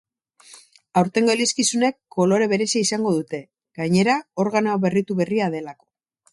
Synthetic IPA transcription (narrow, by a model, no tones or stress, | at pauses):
awɾt̪e̞ŋɡoliskisune̞kːo̞lo̞ɾe̞βe̞ɾe̞siaisaŋɡo̞ðut̪e̞ | ɡaɲe̞ɾao̞ɾɣanoaβe̞rit̪uβe̞riaðe̞lako̞̥